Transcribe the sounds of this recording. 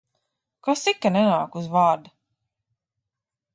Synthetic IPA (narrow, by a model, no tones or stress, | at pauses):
kasikːanɛnaːkuzvaːɾd̪a